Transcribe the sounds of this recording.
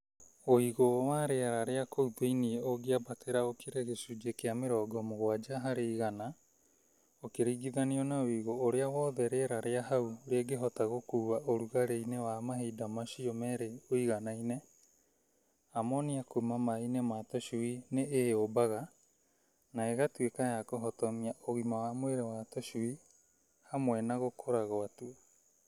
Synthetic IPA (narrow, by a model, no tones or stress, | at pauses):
oiɣowaɾeaɾaɾeakowbejnieoɡiabatʰeɾaokeɾeɣesud͡ʒekeameɾɔɡɔmoɣoad͡ʒaɦaɾeiɣana | okeɾiɡiðanionaoiɣoːɾeaβɔðɛɾeɾaɾeaɦawoɾeaɡeɦotaɣokuwaʔoɾuɣaɾejnewamaɦidamasiomɛɾeoiɡanajne | amoniakumamainematosuineeobaɣa | naeɣatuekaeakoɦotomiaʔoɣimawamoeɾewatosui | hamoenaɣokʰoɾaɣoatuo